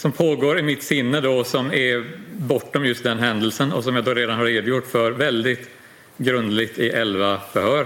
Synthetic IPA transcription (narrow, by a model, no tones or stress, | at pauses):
sɔmpʰoːɡoːɾɪmɪt̪ːsɪnːəd̪ɔsɔmɛbɔʈːɔmjɵst̪̚d̪ɛnɦɛnd̪əlsənɔ̰sɔmjaːd̪ɔɾeːd̪anhaɾeːd̪jʊʈːfœɾvɛld̪ɪt̪ | ɡɾɵnd̪lɪɡt̪ɪʔɛlvafœhœːɾ